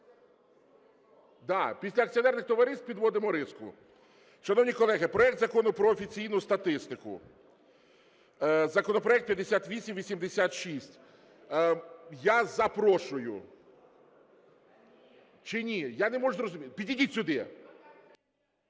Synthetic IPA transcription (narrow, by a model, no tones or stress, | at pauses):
d̪ɑpʲisʲlʲɐk̚t͡sʲiɔnɛrnɪxt̪ɔʋɐɾɪst̪̚pʲid̪ʋɔd̪ɪmɔɾɪskʊ̰ | ʃɐnɔwnʲikɔlˠɛɦɪpɾɔɛk̚t̪zɐkɔnʊpɾɔːfʲit͡sʲijnʊst̪ɐt̪ɪst̪ɪkʊ̰ | zɐkɔnɔpɾɔjɛk̚t̪̚pʲjɐd̪ːesʲat̪ʋʲisʲimʋʲisʲimd̪esʲat̪ʃisʲtʲ | jazɐpɾɔʃʊjʊ̰ | t͡ʃɪnʲijanɛmɔʒʊzrɔzʊmʲipʲidʲidʲitʲsʲʊd̪ɪ